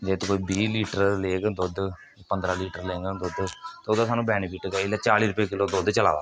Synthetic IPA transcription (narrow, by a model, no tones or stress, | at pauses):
d͡ʒeːt̪koːibiːliːʈəɾleːɡd̪od̪ | pənd̪ɾaːliːʈəɾleːŋɡad̪ʊd̪t̪eːʊd̪aːsaːnũːbɛːniːpiːʈk̪aːɪlaːt͡ʃaːliːɾʊpjeːkɪloːd̪od̪t͡ʃəla̰ːʋa̰ː